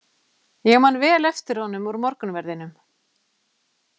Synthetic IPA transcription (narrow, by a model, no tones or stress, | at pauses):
jɛɣmanːvɛːlɛft̪ɪɾ̥haɔwnʏmɔɾmɔɾkʏnvɛɾðɪnʏm